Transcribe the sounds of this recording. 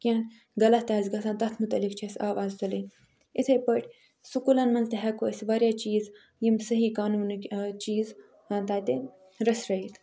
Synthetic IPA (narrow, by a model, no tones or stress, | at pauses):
kʲiɐn | ɡɐlɐt̪aːzɡɐsʰãːnt̪ɐt̪ʰmut̪ɐlikt͡ʃʰesʲaːʋaːzt̪ɐli | it̪ʰɐjpɐʈʰʲ | sukulɐnmɐnzt̪eɦɐkoɐsʲʋaːɾʲjat͡ʃiːz | jimsɐɦiːkaːnuːnʲt͡ʃiːz | at̪aːt̪e | ɾɐsɾɐiːt̪ʰ